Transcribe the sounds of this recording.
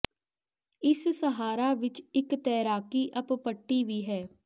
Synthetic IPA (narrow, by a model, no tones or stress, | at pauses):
ɪssəɦaːɾaːʋɪt͡ʃɪkt̪ɛːɾaːkiːʔəppəʈːiːʋiːɦɛː